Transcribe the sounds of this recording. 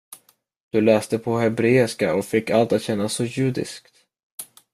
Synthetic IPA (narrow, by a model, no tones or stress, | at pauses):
d̪̥ɵlɛːst̪əpʰɔhɛbɾeːɪʂkaɔkfɪkːalt̪at̪ɕɛnːasːɔjʉ̟ːd̪ɪ̰skt̪